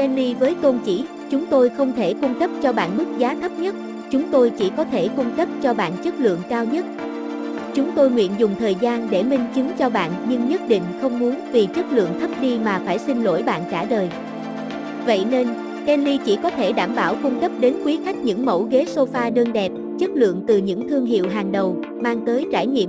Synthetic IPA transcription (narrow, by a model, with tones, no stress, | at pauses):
ʔɛ˧nli˧vəː˨˦jt̪o˧nt͡ɕḭ˧˩ | t͡ɕʊ˨˦ŋ͡mt̪o˧jxə˧wŋ͡mt̪ʰe˧˩kʊ˧ŋ͡mkə˦˥p̚t͡ɕɔ˧ɓa̰ː˧˨nɓɨ˦˥k̚zaː˨˦t̪ʰə˦˥p̚ɲə˦˥t̚ | t͡ɕʊ˨˦ŋ͡mt̪o˧jt͡ɕi˧˩kɔ˨˦t̪ʰe˧˩kʊ˧ŋ͡mkə˦˥p̚t͡ɕɔ˧ɓa̰ː˧˨nt͡ɕə˦˥t̚lɨ̰˧˨əŋkaː˧wɲə˦˥t̚ | t͡ɕʊ˨˦ŋ͡mt̪o˧jŋwḭ˧˨ənzʊ˨˩ŋ͡mt̪ʰəː˨˩jzaː˧nɗe˧˩mï˧ŋ̟t͡ɕɨ˨˦ŋt͡ɕɔ˧ɓa̰ː˧˨nɲɨ˧ŋɲə˦˥t̚ɗḭ̈˧˨ŋ̟xə˧wŋ͡mmu˨˦ənvi˨˩t͡ɕə˦˥t̚lɨ̰˧˨əŋt̪ʰə˦˥p̚ɗi˧maː˨˩faː˧˩jsi˧ŋlo̰˧˥jɓa̰ː˧˨nt͡ɕaː˧˩ɗəː˨˩j | və̰˧˨jne˧n | ʔɛ˧nli˧t͡ɕi˧˩kɔ˨˦t̪ʰe˧˩ɗaː˧˩mɓaː˧˩wkʊ˧ŋ͡mkə˦˥p̚ɗe˨˦nkwi˨˦xa˦˥jk̟̚ɲɨ̰˧˥ŋmə̰˧˩wɣe˨˦so˧faː˧ɗəː˧nɗɛ˨˩p̚ | t͡ɕə˦˥t̚lɨ̰˧˨əŋt̪ɨ˨˩ɲɨ̰˧˥ŋt̪ʰɨ˧əŋɦḭ˧˨əwɦaː˨˩ŋɗə˨˩w | maː˧ŋt̪əː˨˦jt͡ɕaː˧˩jɲḭ˧˨m